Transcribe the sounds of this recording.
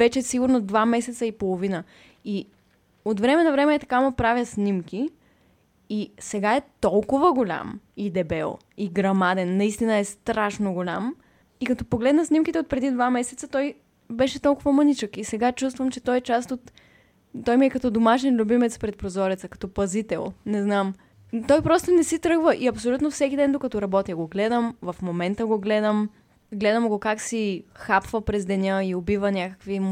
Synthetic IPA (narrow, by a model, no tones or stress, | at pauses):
vɛt͡ʃɛsiɡʊɾnod̪vamɛsɛt̪səipolˠovinə | i | ot̪vɾɛmɛnɐvɾɛmɛɛt̪ɐ̥kamopɾavʲjəsnʲimk̟i | sɛɡaɛt̪ɔlˠkʊvəɡolʲa̰mid̪ɛbɛlˠ | iɡɾɐmad̪ɛnːɐist̪inəɛst̪ɾaʃnoɡolʲa̰m | ikɐt̪ɔpoɡlɛd̪nəsnimkit̪ɛot̪̚pɾɛd̪id̪vamɛsɛt̪sət̪ɔj | bɛʃɛt̪ɔlˠkʊvəmənit͡ʃəkisɛɡat͡ʃust̪vəmt͡ʃɛt̪ɔjɛt͡ʃast̪ot̪ː | ɔjmiɛkɐt̪ɔd̪omaʃɛnlʲubimɛt̪spɾɛt̪̚pɾozɔɾɛt̪səkɐ̥t̪ɔpɐzit̪ɛlˠnɛznam | t̪ɔjpɾɔst̪onɛsit̪ɾɤɡvəʔiɐpsolʲut̪nofsɛk̟ʲid̪ɛnd̪okɐt̪ɔɾɐbɔt̪iəɡoɡlɛd̪əmvɐfmomɛnt̪əɡoɡlɛd̪əm | ɡlɛd̪əmɡokaksixapvəpɾɛzd̪ɛnʲəiobivənʲakə̥kvi